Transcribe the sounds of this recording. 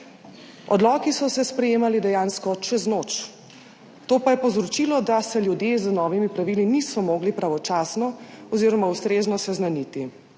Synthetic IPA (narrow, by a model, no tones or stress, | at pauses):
ɔd̪lɔːkisɔsɛspɾɛjeːmalid̪ɛjaːnskɔt͡ʃɛznoːt͡ʃ | t̪oːpajɛpɔwzɾɔt͡ʃiːlɔd̪asɛljud̪jezənɔːʋimipɾaʋilinisɔmoːɡlipɾaʋɔt͡ʃaːsnɔɔziːɾɔmaust̪ɾeːznɔsɛznanit̪i